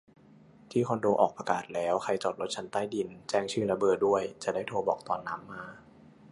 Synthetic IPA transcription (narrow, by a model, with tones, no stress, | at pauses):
t̪ʰiː˥˩kʰo˧ndoː˧ʔɔː˨˩k̚pa˧kaː˨˩t̪̚lɛː˦˥wxʰa˧jt͡ɕɔː˨˩t̪̚ɾo˦˥t͡ɕʰa˦˥nt̪aː˥˩jdi˧nt͡ɕɛː˥˩ŋt͡ɕʰɯː˥˩la˧bɤː˨˩t̪̚du˥˩əjt͡ɕa˨˩daː˥˩jt̪ʰo˧bɔː˨˩k̚t̪ɔː˨˧nːaː˦˥mːaː˧